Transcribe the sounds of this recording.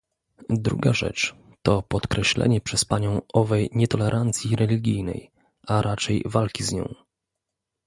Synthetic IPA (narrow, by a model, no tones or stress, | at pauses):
d̪ɾṵɡaʐɛ̰t͡ʂ | t̪ɔpɔt̪kɾɛɕlɛ̰ɲɛpʂɛspaɲɔ̃w̃ʔɔvɛjɲɛt̪ɔlɛɾʔant̪sʲjiɾɛlʲiɡʲijnɛ̰j | ʔaɾat͡ʂɛjvalkʲizɲɔ̰̃w̃